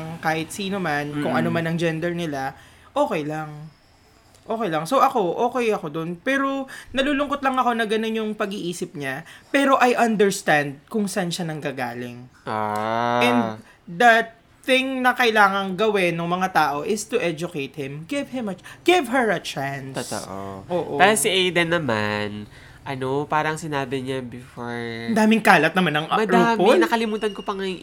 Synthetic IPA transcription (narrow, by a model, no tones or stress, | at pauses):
ŋkaːhɪt̪̚siːnomankʊŋʔɐnomanɐŋd͡ʒɛnd̪ɛɹnɪlaʔoːkɛjlɐŋ | ʔo̞ːkɛjlɐŋso̞wʔɐko̞ʔo̞ːkɛjɐko̞d̪o̞npɛːɾo̞nɐluːlʊŋkot̪̚lɐŋɐko̞nɐɡɐno̞njʊŋpɐɡiʔiːsɪp̚ɲapɛːɾo̞ʔɐjʔɐnd̪ɛɹst̪and̪̚kʊŋsʔanʃanɐŋɡaɡa̰ːlɪ̰ŋ | ʔɛnd̪ | d̪ɐ | θɪ̃ŋnɐkɐʔɪlaːŋɐŋɡɐwɪnːoŋmɐŋat̪aːʔo̞ʔɪst̪ʊʔɛd͡ʒʊkejt̪̚hɪ̃mɡɪvhɪmɐɡ̥ɪvɦɛɹɐt͡ʃant̪ːst̪o̰ʔoʔoːʔot̪asiʔɛjd̪ɛnɐman | ʔɐnopaːɾɐŋsɪnaːbɪɲabɪfoɹɐnd̪aːmɪŋkaːlɐt̪̚nɐmanːɐŋmɐd̪auːpmlnɐkɐlɪmuːt̪ɐnkopɐŋɐj